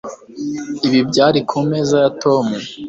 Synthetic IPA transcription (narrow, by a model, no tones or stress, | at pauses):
iβibɟaːɾikʰume̞ːzajatʰo̞mu